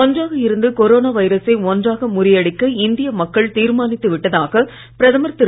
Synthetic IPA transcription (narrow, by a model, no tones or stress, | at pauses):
ɔndraːɣɐɪɾɯnd̪ɯkɔɾoːnaːʋɐɪɾɐsɐɪɔndraːɣɐmʊɾɪjɐɽɪkːɯɪnd̪ɪjɐmɐkːɐɭt̪iːɾmaːnɪt̪ːɯʋɪʈːɐðaːɣɐ | pɪɾɐðɐmɐɾt̪ɪɾ